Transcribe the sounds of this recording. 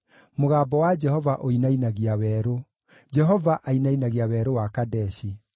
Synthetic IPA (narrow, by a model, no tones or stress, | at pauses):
moɣaːbɔwad͡ʒɛhɔvaʔoinainaɣiawɛːɾo | d͡ʒɛɦɔvaʔainainaɣiawɛːɾowakadɛʃi